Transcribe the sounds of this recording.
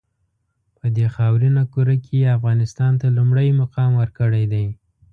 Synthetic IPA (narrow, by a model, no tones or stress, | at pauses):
pəd̪exɑwɾinakuɾakʰejeafɣɑnɪst̪ɑnt̪alumɽajmʊqɑmwəɾkəɽajd̪aj